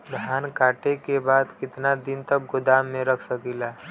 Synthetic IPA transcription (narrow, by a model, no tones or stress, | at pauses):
d̪ʱaːnkaːʈekebaːd̪kɪt̪nad̪ɪnt̪ɐk̚ɡʊd̪aːmːẽɾɐkʰsəkilaː